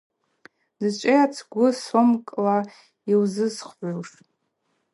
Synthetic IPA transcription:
dɨt͡ʃʷʼejat͡sʰɡʷʊsomkʼla | iwzɨzχʕʷoʂ

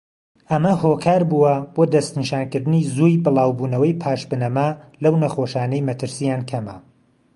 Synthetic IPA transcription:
ʔɐmɐhoːkʰaːɾbuwɐboːd̪ɐst̪niʃaːnkɨɾd̪ɨnizujbɨlˠɑːwbuːnɐwɐjpʰaːʃbɨnɐmɐlɐwnɐxoʃaːnɐjmɐt̪ʰɨɾsijaːnkʰɐmɐ̰

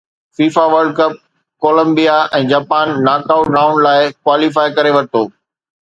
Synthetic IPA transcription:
fiːfaʋɐɾɖ̚kɐp̚ | koːlə̃mbijaɛ̃ːd͡ʑaːpaːnːaːkaːʊɖaːʊ̃nlaːɪkwaːlifaːɪkɐɾeʋɐɾt̪oː

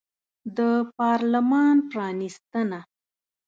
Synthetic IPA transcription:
d̪əpɑɾlamɑnpɾɑnist̪əna

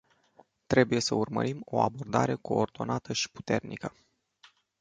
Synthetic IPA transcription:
t̪ɾe̞buje̞səurmə̰ɾimo̞̰a̰bo̞rd̪a̰ɾe̞ko̞ːrd̪o̞nat̪əʃi̥pu̥t̪e̞rnḭkə

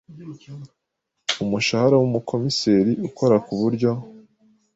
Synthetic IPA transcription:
umuʃahaɾawumukʰo̞mise̞ːɾiʔuko̞ɾakuβuɾɟo

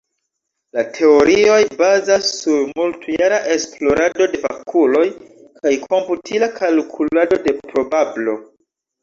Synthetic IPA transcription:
latʰe̞o̞ɾio̞jbazasːuɾmultujaɾaʔe̞splo̞ɾado̞de̞va̰kʰulo̞j | kʰajkʰo̞mputʰilakʰalkʰulado̞de̞pɾo̞bablo̞

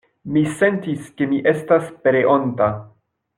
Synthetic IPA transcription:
mise̞ntiske̞miʔe̞staspeɾeʔonta

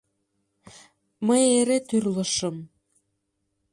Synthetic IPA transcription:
məjeɾet̪yrlə̆ʃə̆m

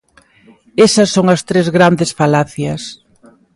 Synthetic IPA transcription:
esɐsːoŋɐst̪ɾezɣɾand̪esfalaθjɐs

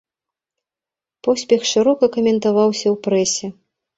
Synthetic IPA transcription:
pɔsʲpʲɛxʂɨɾɔkɐkɐmʲɛnt̪avawsʲɐwpɾɛsʲɛ

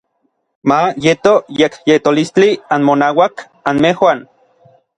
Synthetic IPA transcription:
majet̪ojekjet̪olist͡ɬianmonawak | anmehwan

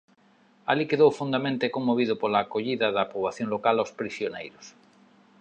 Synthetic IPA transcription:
alikeðowfund̪amẽnt̪ekoŋmːoβiðopolaːkoʎiðaðapɾoβaθjoŋlokalaospɾisjonḛjɾos

